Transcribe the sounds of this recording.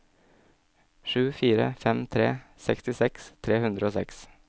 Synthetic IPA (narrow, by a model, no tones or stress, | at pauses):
ʃʉːfiːɾə̰fɛmt̪ʰɾḛːsɛkst̪ɪsɛkst̪ʰɾeːhʉnd̪ɾəoːsɛks